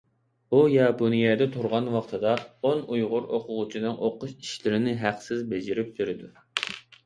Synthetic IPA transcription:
ujɑponijɛːd̪ɛt̪ʰuɾʁɑnwɑqt̪ʰɨd̪ɑonujʁʊɾoqʰʊʁʊt͡ʃʰinɨŋʔoqːʊʃi̥ʃlɪɾɪnɪɦæqsɪzbed͡ʒɪɾɪp̚beɾɪd̪u

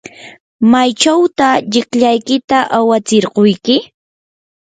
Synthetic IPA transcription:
majt͡ʃawt̪aʎɪkʎajkɪt̪aʔawat͡sɪɾɢojkɪ

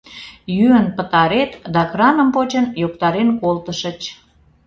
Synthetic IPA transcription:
jyənpət̪ɑɾet̪d̪ɑkrɑnəmpot͡ɕənjokt̪ɑɾenkolt̪əʃət͡ɕ

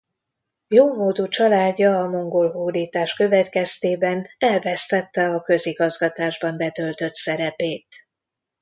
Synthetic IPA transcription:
joːmoːd̪ut͡ʃɒlaːɟːɒːmo̞ŋɡolɦuːd̪iːt̪aːʃkø̞vɛt̪kɛst̪eːbɛnɛlvɛst̪ɛt̪ːɛɒkø̞ziɡɒzɡɒt̪aːʒbɒmbɛt̪ø̞lt̪ø̞t̪sɛɾɛpeːt̪

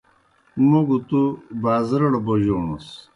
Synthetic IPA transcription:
muɡut̪ubaːzɾɐɽɐboʑoːnṵs

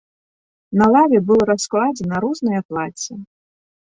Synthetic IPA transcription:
nɐlˠavʲɛbɨlˠɾasklˠad͡zʲɛnɐɾuznɐjɐplˠat͡sʲɛ

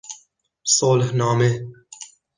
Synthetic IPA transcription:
soːlhnɑːme

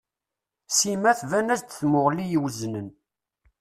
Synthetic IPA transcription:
simæθvænæzt̪θmʊʁlijwəznən

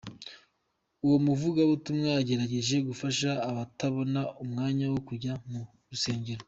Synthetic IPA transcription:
uwo̞muvuɡaβutumŋejaɟe̞ɾaɟe̞ʒe̞ɡufaʃaːβataβo̞naʔumŋaːɲawo̞kuɾɟamu | ɾuse̞ːɲɟe̞ɾo

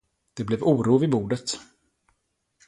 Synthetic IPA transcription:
d̪̥ɛblɛvuːɾuːvɪbuːɖət̪

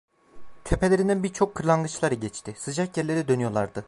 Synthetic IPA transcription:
t̪ʰepʰelʲeɾind̪ænbiɾt͡ʃʰo̞kʰːɯɾlˠanɡɯt͡ʃlˠaɾɯɟɛt͡ʃt̪ʰɪsɯd͡ʒakjæɾlʲe̞ɾid̪ø̞nyjo̞lˠaɾd̪ɯ

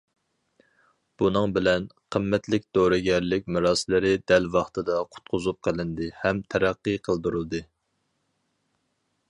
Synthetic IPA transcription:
b̥unɨŋbɪlɛnqʰəmːɛt̪lɪkʲd̪̥oɾɨɡʲɛɾlɪkʲmɪɾɑːsɪlˠɪɾɪd̪ɛlvɑχt̪ʰɨd̪ɑqʰʊ̥t̪̚qʰʊzup̚qʰəlˠɪnd̪ɨhɛmt̪ʰɛɾæqːɨqʰəlˠd̪uɾulˠd̪ɨ

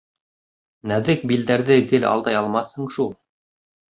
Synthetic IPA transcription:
næðɘk̚bild̪æɾðɘɡɘlɑ̰lˠd̪ɑjɑlˠmɑθhɤɴʃulˠ

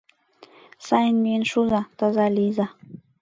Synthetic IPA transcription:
sajnminʃuzat̪azaliza

